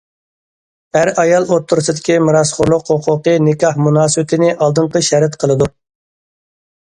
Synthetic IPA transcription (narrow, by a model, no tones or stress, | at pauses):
æɾɑjɑlˠot̪ʰːuɾsɨd̪ɪkʲimɨɾɑsχʊɾlˠʊqhoqʰʊqənɪkɑhmunɑːsɨwɪt̪ʰɪnɪʔɑlˠd̪ɨɴqəʃɛɾɛt̪qʰəlˠɨd̪u